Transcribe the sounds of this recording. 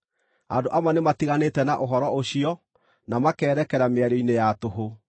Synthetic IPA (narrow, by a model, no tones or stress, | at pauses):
andoʔamanematiɣanetɛnaʔoɦɔɾɔoɕiɔ | namakɛːɾɛkɛɾameaɾoinejatoɦo